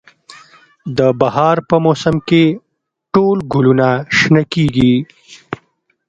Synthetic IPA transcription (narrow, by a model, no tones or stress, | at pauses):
d̪əbahɑɾpəmosəmke | ʈolɡulunaʃnakiɡi